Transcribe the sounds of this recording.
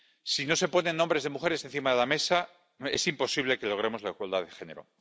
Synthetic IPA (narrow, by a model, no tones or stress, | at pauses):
sino̞se̞po̞nenːombɾe̞zðe̞muxe̞ɾese̞n̟θimaðe̞lame̞sa | e̞̰simpo̞siβle̞ke̞lo̞ɣ̞ɾe̞mo̞zlaiɣwald̪aðe̞xe̞ne̞ɾo̰